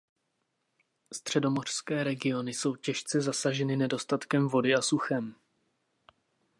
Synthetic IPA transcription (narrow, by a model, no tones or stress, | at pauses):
st̪r̝̥ɛdo̞mo̞r̥skɛːɾɛɡɪo̞nɪso̞wcɛʃt͡sɛzasaʒɛnɪnɛdo̞st̪at̪kɛmvo̞dɪasuxɛm